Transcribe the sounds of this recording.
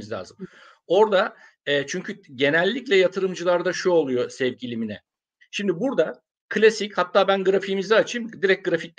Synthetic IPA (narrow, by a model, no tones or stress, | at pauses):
izlʲa̰ːzɯm | o̞ɾd̪a | ɛːt͡ʃʰyɲcʰyɟe̞nɛlʲːiclʲɛjat̪ʰɯɾɯmd͡ʒɯlˠaɾd̪aʃuo̞lˠujo̞sɛvɟilʲiminɛ̰ | ʃimd̪ibuɾd̪a | kʰlʲasichat̪ːaːbænɡɯɾafimizɛaːt͡ʃʰimd̪iɾɛc̚ɡɯɾafic̪̚